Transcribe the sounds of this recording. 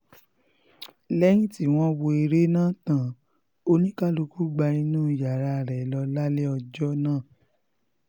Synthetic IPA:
lɛ˦j̃ĩ˦ti˨˦w̃ɔ̃˦wo˧i˧ɾe˦nãː˦˨tã˨ | o˧nĩ˦ka˦lu˧ku˦ɡ͡ba˧ĩ˧nũː˦i˨ja˨ɾa˧˨ɾɛ˨lɔ˧la˦le˦ɔ˧d͡ʒɔ˦nãː˦˨

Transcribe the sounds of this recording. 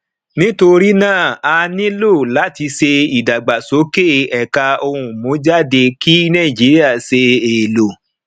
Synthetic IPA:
nĩ˦to˧ɾi˦nãː˦˨a˧nĩ˦lo˦˨la˨˦ti˧se˧i˨da˨ɡ͡ba˨so˨˦ke˦˨ɛ˨ka˧o˧hũ˧˨mõ˨˦d͡ʒa˦˨de˧ki˦nã˦˨d͡ʒi˨˦ɾi˦a˦˨se˧eː˨lo˨

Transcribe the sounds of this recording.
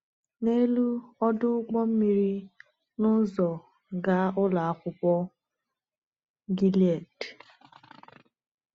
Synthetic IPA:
ne˦lu˦ɔ˦dʊ˦ɡ͡bɔ˦m̩˦mi˦ɾi˦ | nʊ˦zɔ˨ | ɡa˦ʊ˦la˨a˦kʷʊ˦pɔ˦ | ɡi˦li˦a˨d

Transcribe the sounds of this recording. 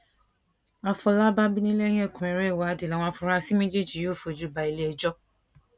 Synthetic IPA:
a˨fɔ˧la˦ba˦bi˦nĩ˦le˦jɛ˦˨kũ˨ɛ˨ɾɛ˦˨wa˨˦di˨la˨w̃ã˧˦fʊ˦ɾa˦si˦mĩ˦d͡ʒe˦d͡ʒi˨jo˦˨fo˨d͡ʒu˦ba˨i˨le˦ɛ˨d͡ʒɔ˦

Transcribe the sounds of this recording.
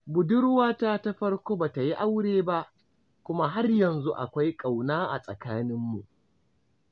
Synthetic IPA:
bʊ˨dʊ˦rwaː˦taː˦ta˦ɸɐ˦rkʷoː˦baː˨ta˨ji˦ʔa˦wɽeː˨ba˦ʔ | kʷʊ˦ma˦ɦa˦rjɐ˨nzu˦ʔa̰˨kʷa˦jkʼa˨wnaː˦ʔa̰˨sʼɐ˨kaː˦nɪ˦mːu˨ʔ

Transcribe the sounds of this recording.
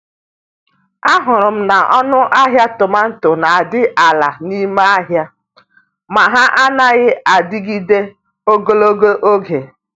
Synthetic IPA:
a˦ɦʊ˨ɾʊ˨m̩˦na˨ʔɔ˦nʊ˦ʔa˦ɦja˦tʊ˨ma˦n̩˦tʊ˨na˨a˨dɪ˦ʔa˨la˨ni˦me˦a˦ɦja˦ | ma˨ɦa˦ʔa˦na˦ɣɪ˦a˨dɪ˦ɡi˦de˦ | o˦ɡo˦lo˦ɡo˦ʔo˦ɡe˨

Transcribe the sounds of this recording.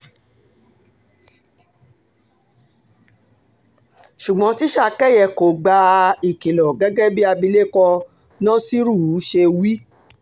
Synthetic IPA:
ʃu˨ɡ͡bɔ̃˨˦ti˦ʃa˦˨kɛ˦˨jɛ˧ko˨ɡ͡ba˧i˨ki˨lɔ˨ɡɛ˨˦ɡɛ˦bi˦a˧bi˧le˦kɔ˧ | nã˦si˦ɾu˦˨u˨˦ʃe˧wi˦

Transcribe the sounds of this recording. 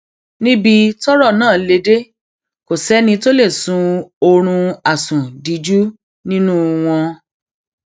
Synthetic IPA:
nĩ˦bi˧tɔ˦ɾɔ˦˨nãː˦˨˦le˧de˦ | ko˨sɛ˨˦nĩ˧to˦le˦˨sũ˨˦o˧ɾ̃ũ˧a˨sũ˨di˨˦d͡ʒu˦ | nĩ˦nũ˦w̃ɔ̃˧

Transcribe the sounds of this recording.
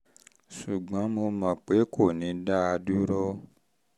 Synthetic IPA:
su˨ɡ͡bɔ̃˨˦mo˧mã˨k͡pe˨˦kʰo˦˨nĩ˨˦da˦a˧du˦ɾo˦

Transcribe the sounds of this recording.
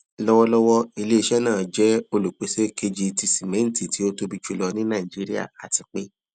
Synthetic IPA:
lɔ˦wɔ˦lɔ˦wɔ˦i˧le˦˧ʃɛ˦nãː˦˨d͡ʒɛ˦o˧lu˨k͡pe˨se˦ke˧d͡ʒi˧ti˧si˨mɛ̃˨˦n̩˨ti˨ti˨˦o˦to˦bi˧t͡ʃu˧lɔ˧nĩ˦nã˦˨i˨d͡ʒi˨˦ɾi˦a̰˦˨a˨ti˧k͡pe˦

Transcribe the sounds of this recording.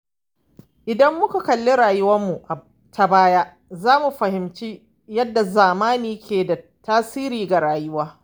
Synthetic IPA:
ʔɪ˨dɐ˦mːʊ˦ka˨kɐ˨lːɪ˦ɽaː˨jʊ˦wɐ˦mːu˨ʔa˨ | ta˨baː˦ja˦ʔ | zaː˦mu˨ɸɐ˨hɪ˨mt͡ʃi˦ | jɐ˦dːa˨zaː˨maː˦niː˨˦kʲʰeː˨da˨ | taː˦siː˦ɾiː˨ɡa˨ɾaː˨jʊ˦waː˦

